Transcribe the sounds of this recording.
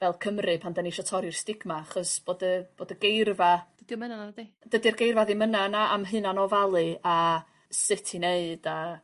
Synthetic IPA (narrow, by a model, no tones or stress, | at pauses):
vɛlˠkʰəmrɨpʰandəniʃɔtʰɔɾjɪrstɪɡmaaχɔsb̥oːdəb̥oːdəɡejrvad̥ədiɔmənanadi | d̥ədirɡejrvaðimənanaʔamɦɨnanɔvalˠɨa | sɨtʰineɨd̥a